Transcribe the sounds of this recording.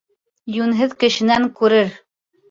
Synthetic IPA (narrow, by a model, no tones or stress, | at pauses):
jʉnɦɘðkɘ̆ʃɘ̆næŋkʉɾɘɾ